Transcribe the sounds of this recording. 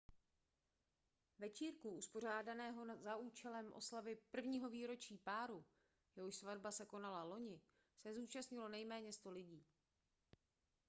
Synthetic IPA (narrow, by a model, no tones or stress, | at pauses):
vɛt͡ʃiːɾkuʔuspo̞r̝aːdanɛːɦo̞zauːt͡ʃɛlɛmʔo̞̰slavɪpr̩vɲiːɦo̞viːɾo̞t͡ʃiːpaːɾu | jɛɦoʃsvadbasɛko̞nalalo̞ɲɪ | sɛzuːt͡ʃast̪ɲɪlo̞nɛjmɛːɲɛst̪o̞lɪɟiː